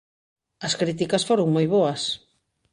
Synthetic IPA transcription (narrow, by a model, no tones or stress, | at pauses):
ɐskɾit̪̬ikɐsfoɾoŋmojβoɐs